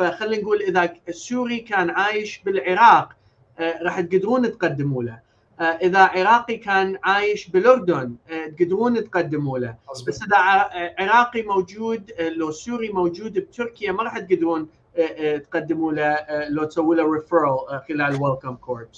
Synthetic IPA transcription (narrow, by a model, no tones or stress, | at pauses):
faxalːinɡuːlʔɪðasuːɾikaːnʕaːjɪʃbɪlʕɪɾɑːq | ɾˤɑːħt̪̚ɡad̪ɾuːnɪt̪qad̪ːɪmuːla | ʔɪðaʕɪɾˤɑːqikaːnʕaːjɪʃbɪlʔʊɾˤd̪ʊnt̪̚ɡɪd̪ɾuːnɪt̪qad̪ːɪmuːlabasːʔɪðaʕʕɪɾɑːqimowd͡ʒuːd̪losuːɾimowd͡ʒuːd̪b̚t̪ʊɾkɪjamaɾˤɑːħt̪̚ɡad̪ɾuːn | t̪qad̪ːɪmuːlaloːt̪sawːiːlaɾɪfəɾlxɪlaːlwɪlkamkʰoːɾts